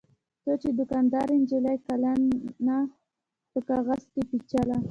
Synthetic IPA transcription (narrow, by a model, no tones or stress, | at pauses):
t̪ət͡ʃed̪ʊkɑnd̪ɑɾend͡ʒelajkalanːa | pəkɑɣazkepit͡ʃala